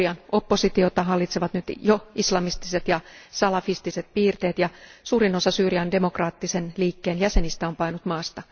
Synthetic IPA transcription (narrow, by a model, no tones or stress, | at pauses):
iɑno̞pːo̞sit̪iot̪ɑɦɑlːit̪seʋɑt̪nyt̪joislɑmist̪iset̪jɑsɑlɑfist̪iset̪̚piːrt̪eːt̪jɑsuːɾino̞sɑsyːriɑnde̞mo̞krɑːt̪ːisenliːkːeːnjæse̞nist̪æompɑinut̪mɑːst̪ɑ